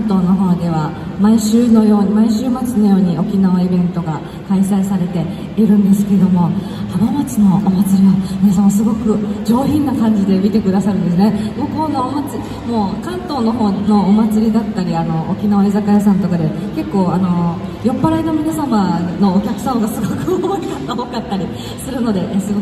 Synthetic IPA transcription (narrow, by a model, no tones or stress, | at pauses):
ãnt̪o̞ːno̞ɦo̞ːd̪e̞β̞a | maiɕɨːno̞jo̞ːɲimaiɕɨːmat͡sɨno̞jo̞ːɲ̟io̞kʲinaβaibẽ̞nt̪o̞ɡa | kaisaisaɾe̞t̪e̞ | iɾɯ̟̃nd̪e̞sɨ̥ke̞ɾed̪o̞mo̞ | t̪abamat͡sɨno̞omat͡sɨɾʲiβamʲinasamasɨɡo̞kɯ̟d͡ʑo̞ːçĩnːakãɲ̟d͡ʑid̪e̞mʲit̪e̞kɯ̟d̪asaɾɯ̟̃nd̪esɨne̞moːko̞nːoomat͡sɨ | mo̞ːkãnt̪o̞ːno̞ɦo̞ːno̞omat͡sɨɾʲid̪at̪ːaɾʲiano̞ʔo̰kʲinaβaezakajasãnt̪o̞kad̪e̞ke̞kːo̞ːano̞jo̞pːaɾaino̞mʲinasamano̞ːkʲakɯ̟̥samaɡasɨɡokɯ̟oakʰanːaɦo̞kat̪ːaɾʲi | sɨɾɯ̟no̞d̪e̞ʔsɨɡo̞